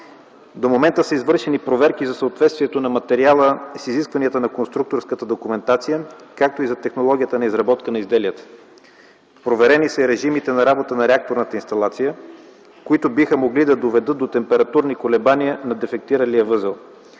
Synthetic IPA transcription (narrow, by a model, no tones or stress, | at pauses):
d̪omomɛnt̪əsəizvɤɾʃɛnipɾovɛɾkizɐsəot̪vɛt̪st̪viɛt̪onɐmɐt̪ɛɾialˠəsiziskvɐniət̪ənɐkonst̪ɾuk̚t̪oɾskət̪əd̪okumɛnt̪at̪sijəkak̚t̪oizɐt̪ɛxnolˠɔɡʲijət̪ənɐizɾɐbɔt̪kənɐizd̪ɛlijət̪ə̥ | pɾovɛɾɛnisəɾɛʒimit̪ɛnɐɾabot̪ənɐɾɛak̚t̪oɾnət̪əinst̪ɐlˠat̪sijə | koit̪obixəmoɡlid̪ɐd̪ovɛd̪ɤt̪d̪ot̪ɛmpɛɾɐt̪uɾnikolɛbaniənɐd̪ɛfɛk̚t̪iɾəlijəvɤzɛlˠ